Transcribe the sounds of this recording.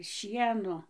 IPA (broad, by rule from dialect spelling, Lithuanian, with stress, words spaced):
ˈʃʲiɛnoː